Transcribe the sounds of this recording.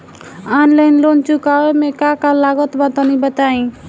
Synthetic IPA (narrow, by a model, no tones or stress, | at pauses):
anlajnlont͡ʃukawemekakalaɡɔt̪bat̪ɔnibət̪aĩ